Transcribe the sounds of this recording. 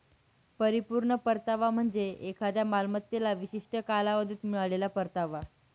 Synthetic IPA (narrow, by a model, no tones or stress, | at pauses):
pəɾipuɾɳəpəɾt̪aʋam̤əɳd͡zeekʰad̪jamalmət̪ːelaʋiɕiʂʈʰəkalaʋəd̪ʱit̪miɭaɭelapəɾt̪aʋa